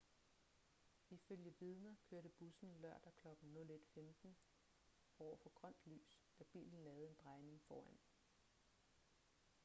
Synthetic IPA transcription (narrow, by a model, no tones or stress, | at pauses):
iføljəʋiðˠnɐkʰøɐɾəb̥usn̩lɶɐ̰d̥ækʰlɒ̽ɡ̥n̩nɔ̽le̝d̥femd̥n̩ | ɒʊ̰ɐfɒ̽ɡ̥ʁɶn̰d̥ly̰ːsd̥æb̥ḭːln̩lɛːʊð̩ˠe̝nd̥ʁɑ̈ɪne̝ŋfɒːæn̰